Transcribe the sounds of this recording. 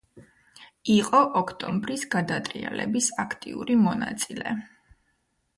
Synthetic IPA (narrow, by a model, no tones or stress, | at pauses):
iqʼɔʔɔkʰt̪ʼɔmbɾisɡad̪at̪ʼɾialɛbisakʰt̪ʼḭuɾimɔna̰t̪sʼilɛ̰